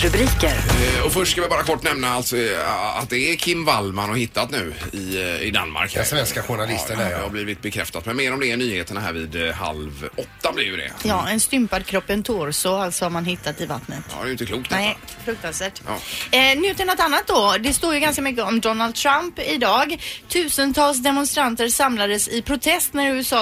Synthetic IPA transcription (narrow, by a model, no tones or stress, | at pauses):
ɾɵbɾiːkəɾɔfœʂʈskavɪbɑːɾakʰɔʈːnɛmnaalt̪sɔa̰t̪̚d̪ɛːɾkʰɪmːvalmanhɔɾhɪt̪ʰːat̪nʉ̟ːɪɪd̪a̰nːma̰ɾkhɾsvɛnskaɧʊɳalɪ̰sd̪əæɛhabliːvɪt̪̚bɛkʰɾɛ̰ft̪at̪mɛnmeːɾɔmd̪ɛːɳyːheːt̪ənaɦæ̰ːɾvɪːd̪ɦa̰lvɔt̪ːablɪɾjɵd̪ɛ̰jɑːɛnst̪ʏmpad̪̚kʰɾɔpːənt̪ʰoːɾsoalsɔvamanɦɪt̪ːat̪ɪva̰t̪nət̪ːd̪ɛjʏnt̪əkʰluːkt̪nɛ | fɾɵk̚t̪ansvæːʈjɑ̰nyːt̪ɪnɔt̪anːat̪̚d̪ɔd̪ɛst̪oːɾjɵɡanskamʏkːəɔmd̪ɔnald̪̚t̪ʰɾampɪd̪ɑːɡt̪ʰʉ̟ːsənt̪ʰɑːls̬d̪ɛmɔnst̪ɾant̪əɾsamlad̪əsɪpʰɾʊt̪ʰɛst̪næɾʉ̟ːɛsɑː